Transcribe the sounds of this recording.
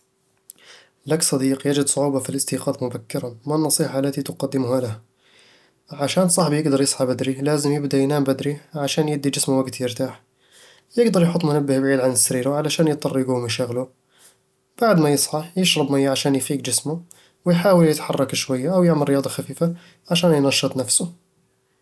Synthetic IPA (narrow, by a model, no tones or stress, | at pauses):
laksˤɑd̪iːqjad͡ʒɪd̪sˤʊʕuːbɑfilɪst̪iːqɑːt̪mʊbakːɪɾɑmanːɑsˤiːħɑʔalːat̪it̪ʊqɑd̪ːɪmhalaha | ʕaʃaːnsˤɑħbijɪɡd̪ɑɾˤjɨsˤħɑbad̪ɾilaːzɪmjɪbd̪ajnaːmbad̪ɾiʕaʃaːnjɪbd̪id͡ʒɪsmuwaɡt̪jɪɾt̪aːħ | jɪɡd̪ɑɾˤjħʊt̪ˤːmʊnabːɪhbʕiːd̪ʕanɪsːaɾiːɾaʕalaʃaːnjt̪ˤːɑrˤːɪɡumaʃaɣlu | b̥aʕd̪majɨsˤħɑħjɪʃɾɑbmajːaʕaʃaːnjfiːkd͡ʒɪsmʊ | wɪjħaːwɪljɪt̪ħɑrˤːɑkʃwajːaʔawjɪʕmɪɾːɪjɑːd̪ˤɑxafiːfa | ʕaʃaːnjnɑʃːɨt̪ˤnafsʊ